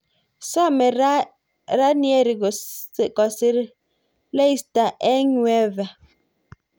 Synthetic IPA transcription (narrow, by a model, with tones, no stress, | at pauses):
sɔ˦˨mɛ˨˦ | ɾa˦njɛ˦ɾi˨ɡkɔ˨se˦ɾ | le˦i˦sta˨ʔɛ˦ɲwɛ˦va˨